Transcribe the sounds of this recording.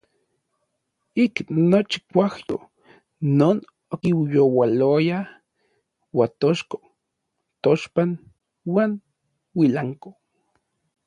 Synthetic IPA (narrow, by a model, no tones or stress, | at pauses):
iknot͡ʃi̥kʷahjo̰ | noːn | okiwjowaloja | wat̪oʃko̥ | t̪oʃpan | waːn | wilaŋko̥